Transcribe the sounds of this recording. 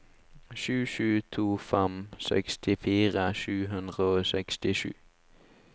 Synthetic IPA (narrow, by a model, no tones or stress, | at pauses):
ʃʉːʃʉːt̪ʰuːfɛmsɛ̰kst̪ʰɪfiːʁəʃʉːɦʉnd̪ʁəoːsɛkst̪ɪʃʉ̰ː